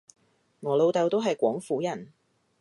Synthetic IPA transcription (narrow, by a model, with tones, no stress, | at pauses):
ŋɔː˨˧lo˨˧wt̪ɐ˨˧wt̪o˥wɦɐ˨jkʷɔː˨˥ŋfuː˨˥jɐ˨˩n